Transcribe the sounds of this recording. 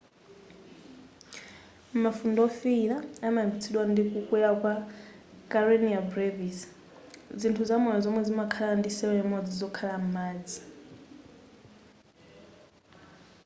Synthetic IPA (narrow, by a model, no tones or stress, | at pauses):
mafundɔfiɺaamaimbit͡sʰiɗwandikukʼwɛjakwa | kʼaɾɔniabɾevis | d͡zintʰuzamɔnɔzɔmwɛzimakʰalandisɛwɛmɔd͡zizɔkʰalam̩maːd͡zi̥